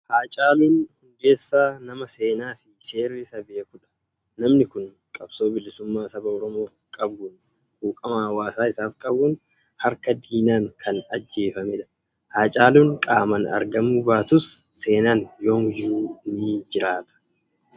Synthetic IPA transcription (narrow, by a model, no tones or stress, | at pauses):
haːt͡ʃʼaːluːnhʊŋɡe̞ːsːaːnɐmɐse̞ːnaːfɪse̞ːrːisɐbeːkʊᶑɐ̥ | nɐmnɪkʊn | kʼɐb̥so̞ːbɪlɪsʊmːaːsɐbɐɔɾɔmo̞ː | kʼɐbʊn | huːkʼɐmaːwaːsaːɪsaːfkʼɐbuːn | hɐɾkɐd̪iːnaːŋkʰɐnɐd͡ʒːe̞ːfɐmɪᶑɐ̥ | haːt͡ʃʼaːluːŋkʼaːmɐnɐ̰ɾɡɐmubaːt̪ʊsːe̞ːnaːnjoːŋjuːniːd͡ʒɪɾaːt̪ɐ̥